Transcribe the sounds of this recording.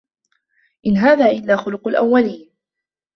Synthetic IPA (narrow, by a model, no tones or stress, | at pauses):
ʔɪnɦaːðaːʔɪlːaːxʊlʊqʊlʔa̰wːaliːn